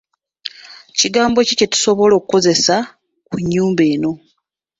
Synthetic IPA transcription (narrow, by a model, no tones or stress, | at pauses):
ciɡaːmbo̞cecetu̥so̞βo̞lo̞ːkuko̞ze̞sa | kuɲːuːmbe̞ːno̞